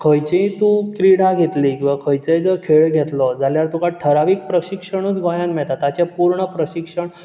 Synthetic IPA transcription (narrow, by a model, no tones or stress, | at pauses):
kʰəjt͡ɕẽt̪ũkɾiɽaɡʱet̪likĩʋakʰəjt͡sed͡zəkʰeɭɡʱɛt̪lɔd͡zaljaɾt̪ũkãʈʰəɾaʋiːk̚pɾəɕikʂəɽ̃ut͡sɡɔ̃jãnmɛɭt̪at̪at͡ɕẽpuɾɳəpɾəɕikʂəɳ